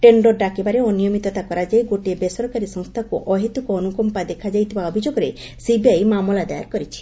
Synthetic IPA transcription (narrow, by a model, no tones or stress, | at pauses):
ʈeɳɖɔɾɖakebaɾeɔnijomit̪ɔt̪akɔɾad͡ʒajɡoʈebesɔɾkaɾisɔŋst̪ʰakuʔɔɦet̪ukoɔnukɔmpad̪ekʰad͡ʒajt̪ʰibaɔbʱid͡ʒoɡɔɾe | sibiajmamɔlad̪aja̰ɾkɔɾit͡ʃʰi̥